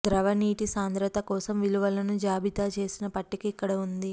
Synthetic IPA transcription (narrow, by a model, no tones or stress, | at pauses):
d̪ɾɐʋɐniːʈisaːnd̪ɾɐt̪ɐkɔːsɐmʋiluʋɐlɐnud͡ʒaːbit̪aːt͡ʃe̞ːsinɐpɐʈːikiːkːɐɽɐund̪i